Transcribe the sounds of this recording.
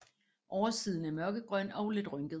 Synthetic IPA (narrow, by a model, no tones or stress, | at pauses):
ʔɒʊɐsiːð̞ˠn̩æɐmɶɐɡ̥əɡ̥ʁɶn̰ɒ̽ʊle̝d̥ʁœŋɡ̥əðˠ